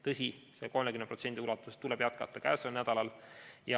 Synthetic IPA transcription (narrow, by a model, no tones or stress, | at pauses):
t̪ɤsʲise̞ko̞lmekymnpro̞t̪se̞nd̪iulɑt̪ːˑuset̪ːulɛb̥jɑt̪̚kɑt̪ˑːɑkæ̰ːselnæd̪ɑlɑljɑ